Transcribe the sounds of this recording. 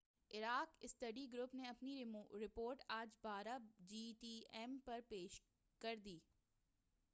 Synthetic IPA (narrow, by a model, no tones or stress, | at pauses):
ɪɾaːkɪst̪ɐɖiɡɾʊpneɐpniɾɪpoːɾʈaːd͡ʒbaːɾabd͡ʒiːʈiːɛmpɐɾpeːʃ | kɐɾd̪iː